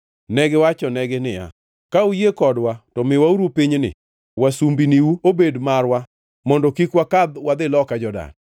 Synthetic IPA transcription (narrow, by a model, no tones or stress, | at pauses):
nɛɡɪwat͡ʃɔnɛɡɪnɪja̰ | kaujekɔdwatɔmɪwauɾupiɲnɪ̰ | wasumbiniwuobedmarwa | mɔndɔkikwakad̪wad̪ɪlɔkad͡ʒɔda̰n